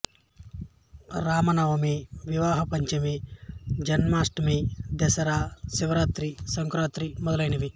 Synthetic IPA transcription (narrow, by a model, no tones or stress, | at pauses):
ɾaːmɐnɐʋɐmiʋiʋaːɦɐpɐɲt͡ʃɐmid͡ʒɐnmaːsʈɐmid̪ɛsɐɾaːsiʋɐɾaːt̪ɾisɐŋkɾaːt̪ɾimɔd̪ɐlɐjnɐʋi